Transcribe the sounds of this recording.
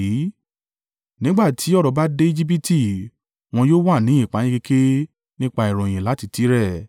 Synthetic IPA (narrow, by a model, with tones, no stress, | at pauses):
i˨˦ | nĩ˨˦ɡ͡ba˦˨tʰi˨˦ɔ˦ɾɔ˨˦ba˦de˦i˦d͡ʒi˦p̬i˦ti˦˨ | w̃ɔ̃˧joː˦wa˦˨nĩ˨˦ĩ˦˨k͡pa˨˦j̃ĩ˦ke˧kʰe˦ | nĩ˦k͡pa˧i˨ɾ̃ɔ̃˨j̃ĩ˨la˨˦ti˦˨ti˨˦ɾɛ˦˨